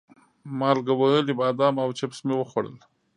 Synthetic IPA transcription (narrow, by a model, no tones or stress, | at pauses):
mɑlɡawaəlibɑd̪ɑmawt͡ʃapsmewəxwaɽə̰l